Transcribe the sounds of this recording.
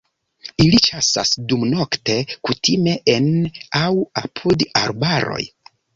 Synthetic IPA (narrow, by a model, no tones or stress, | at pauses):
ilit͡ʃasa̰sdumno̞kte̞kutʰime̞ʔenawapʰudaɾbaɾo̞̰j